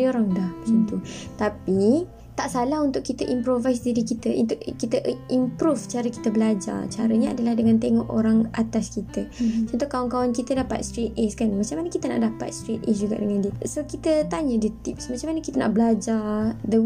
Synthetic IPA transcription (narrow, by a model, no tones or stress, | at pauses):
ioɾaŋdahbəsint̪ut̪api | t̪aʔsalaɦunt̪ʊʔkit̪əʔimpɾovajs̬diɾikit̪əʔṵnt̪ʊʔkit̪əimpɾuft͡ʃaɾəki̥t̪əbəlad͡ʒa̰t͡ʃaɾəɲaa̰dəlahdəŋant̪eŋɔʔoɾaŋat̪askit̪ət͡ʃɔnt̪uhkawankawankit̪ədapa̰t̪̚st̪ɾit̪̚eskanmat͡ʃamanəkit̪əna̰ʔdapa̰t̪̚st̪ɾit̪̚esd͡ʒuɡa̰ʔdəŋandiəsokit̪ət̪aɲədiət̪ip̚smat͡ʃamanəkit̪əna̰ʔbəlad͡ʒadə